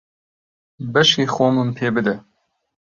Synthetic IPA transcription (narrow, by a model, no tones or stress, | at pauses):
bɛʃiːxoːmɨmpʰeːbɨd̪ɛ